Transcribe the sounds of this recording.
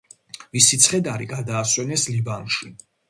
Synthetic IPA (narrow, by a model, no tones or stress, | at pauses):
visit̪sʰχɛd̪aɾiɡad̪aːswɛnɛslibanʃi